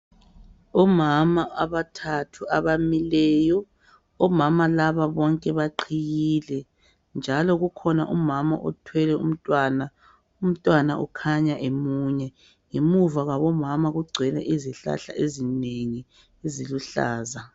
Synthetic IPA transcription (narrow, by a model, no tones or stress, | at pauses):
ɔmamaaβatʰatʰuaβamilɛːjɔ | ɔmamalaβaβɔŋkʼɛβaǃʰiɣilɛ | nd͡ʒʱalɔɣukʰɔna̰ʔumama̰ʔɔ̰tʰwɛlɛṵm̩tʼwana | um̩tʼwanaʔṵkʰaɲaʔemuɲɛ | ŋemuvaɣaβɔmamaɣuɡ͡ǀʱɛlɛ̰ʔiziɬa̰ɬa̰ʔezineŋi | eziluɬa̰ːza